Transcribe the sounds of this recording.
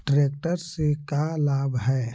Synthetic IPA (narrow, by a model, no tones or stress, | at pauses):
ʈɾeːk̚ʈəɾsekalaːbɦɛː